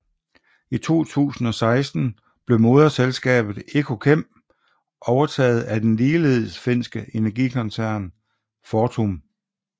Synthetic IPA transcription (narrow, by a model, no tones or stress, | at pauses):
it͡sʰo̝̰ːt͡sʰṵːsn̩ɒ̽sɑ̈ɪsd̥n̩ | b̥le̝ʊmo̝ðˠɐselsɡ̥ɛ̰ːb̥ð̞̩ˠe̝kʰo̝kʰem̰ | ʔɒʊɐt͡sʰɛ̰ːð̞̩ˠæd̥enliːle̝ð̰ˠsfe̝n̰sɡ̥əʔe̝næɐɡ̥ḭkʰɒ̽nsæɐ̰n | fɒːt͡sʰom